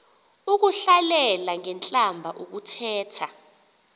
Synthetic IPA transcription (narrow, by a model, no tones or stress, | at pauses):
uk̬uɬalɛlaŋɛnt͡ɬʼambʱaʔuk̬utʰɛːtʰa